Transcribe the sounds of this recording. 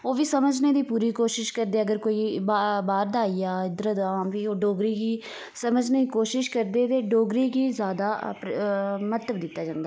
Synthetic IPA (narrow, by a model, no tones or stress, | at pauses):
oːʋiːsəməd͡ʒneːd̪iːpuːɾiːkoːʃɪʃkəɾd̪eːəɡəɾkoːiːbabaːɾd̪aːiːaːɪd̪ɾət̪ãːmʋiːoːɖoːɡɾiːɡiː | səməd͡ʒneːiːkoːʃɪʃkəɾd̪eːt̪eːɖoːɡɾiːɡiːzjaːd̪aːpmət̪əbd̪ɪt̪ːaːd͡ʒãːnd̪aː